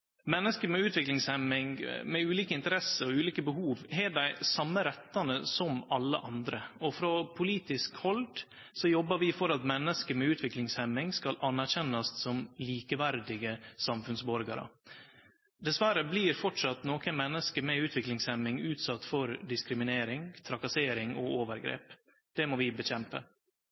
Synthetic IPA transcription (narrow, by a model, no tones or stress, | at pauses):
mɛnːəskəmɛʉːt̪ʋɪklɪŋshɛmɪŋmɛʉːliːkəɪnt̪əɾɛsəɾɔʉːliːkəbəhuːʋɦeːɖæɪsɑmːəɾɛt̪ːɑnəsɔmɑlːə̰ʔɑnd̪ɾəɔfɾɔpʰʊliːt̪ɪskhɔld̪ | sɔjɔbːəɾʋɪfɔɾɑt̪mɛnːəskəmɛʉːt̪ʰʋɪklɪŋshɛmːɪŋskɑlʔɑnːæɾçɛnːɑst̪sɔmliːkəʋæɾd̪ɪɡəsɑmfʉnsbɔɾɡɑ̰ɾə̰ | d̪ɛsʋæɾəbliːɾfɔʈʂɑt̪noːkənmɛnːəskəmɛʉːt̪ʰʋɪklɪŋshɛmɪŋʉːt̪sɑt̪ːfɔɾd̪ɪskɾɪmɪneːɾɪŋt̪ʰɾɑkɑseːɾɪŋɔoːʋəɾɡɾḛːp | d̪̥ɛmɔʋɪbəɕɛmpə̰